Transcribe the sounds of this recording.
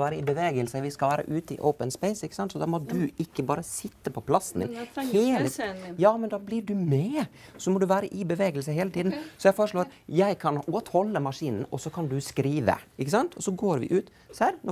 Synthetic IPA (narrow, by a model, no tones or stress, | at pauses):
ʋæːɾəɪbəʋeːɡəlsəʋɪskɑlʋæːɾə̰ʔʉːt̪əɪ̰ʔo̰ʊpənspɛɪsɪkːə̥sɑnt̪sɔd̪ɑːmɔd̪ʉɪkːəbɑːɾəsɪt̪ːəpʰɔpʰlɑsnd̪ɪ̰nheːləjɑːmɛnd̪ɑːblɪɖʉmɛsɔmɔd̪ʉʋæːɾəʔɪbəʋeːɡəlsəɦeːlət̪ʰiːd̪n̩sɔjɛɪfoːɾəʂɭoːɾjæɪkʰɑnoːt̪hɔlːəmɑʂiːnn̩ɔsːɔkʰɑnd̪ʉskɾiːʋə̰ɪkːəsɑnt̪ʰɔsːɔɡoːɾʋɪ̰ʔʉːt̪ | sæɾnɔ